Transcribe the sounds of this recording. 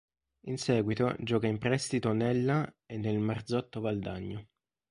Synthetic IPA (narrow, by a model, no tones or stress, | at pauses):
insɛːɡwit̪o̰d͡ʒɔːkaimpɾɛst̪it̪onɛlːa | enːelmard̪zɔt̪ːovald̪aɲːo